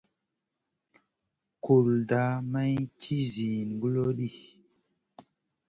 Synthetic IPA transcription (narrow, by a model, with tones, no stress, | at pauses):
ku˨lda˨˦ma˦jti˦zi˨n˨ɡu˦lo˦ɗi˦˨